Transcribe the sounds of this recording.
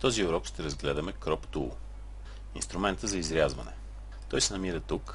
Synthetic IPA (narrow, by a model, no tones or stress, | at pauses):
t̪ɔziʊɾɔkʃt̪ɛɾɐzɡlɛd̪əmɛkɾɔpt̪ṵlˠ | ḭnst̪ɾʊmɛnt̪əzɐizɾʲjazvɐnɛ̰ | t̪ɔjsɛnɐmiɾət̪uk